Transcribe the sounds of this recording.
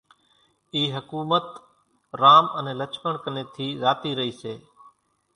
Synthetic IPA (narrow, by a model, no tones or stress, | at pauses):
iːɦəkuːmət̪ | ɾaːmənẽːlət͡ʃpəɳkəneːt̪ʰiːzaːt̪iːɾəɦiːseː